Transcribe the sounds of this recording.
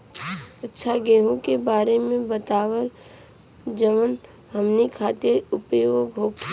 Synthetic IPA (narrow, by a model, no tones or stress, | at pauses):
ətːʃʰaɡeːɦõkebaːɾemẽbət̪aːwəɾ | d͡ʒəmən | ɦəmnikʰaːt̪eɾʊpjoɡɦoːkʰ